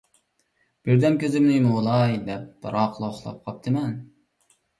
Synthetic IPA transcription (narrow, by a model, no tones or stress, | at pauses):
b̥ɪɾd̪ɛmkʲʰøzɪmnɪmɨolˠɑjd̪ɛp̚b̥ɾɑqlˠɑχlˠɑ̰p̚qʰɑp̚t̪ʰɨmɛn